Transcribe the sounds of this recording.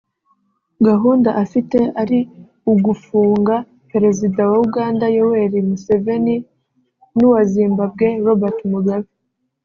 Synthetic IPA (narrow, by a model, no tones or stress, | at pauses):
ɡaɦuːndaʔafiteaɾi | uɡufuːŋɡa | pe̞ɾe̞zidawauɡaːndajowe̞ɾimuse̞ve̞ni | nuwaziːmbab̚ɡe̞βaβatumuɡaβi